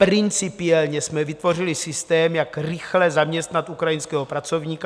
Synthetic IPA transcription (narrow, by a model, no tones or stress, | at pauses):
pɾɪnt͡sɪpɪɛlɲɛsmɛvɪt̪vo̞rɪlɪsɪst̪ɛːmjakrɾɪxlɛzamɲɛst̪nat̪ʔukɾajɪnskɛːɦopɾat͡so̞vɲiːka